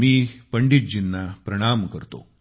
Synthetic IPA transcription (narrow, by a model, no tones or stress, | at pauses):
miːpəɳɖit̪̚d͡ʑinːapɾɐɽ̃aːmkəɾt̪o̰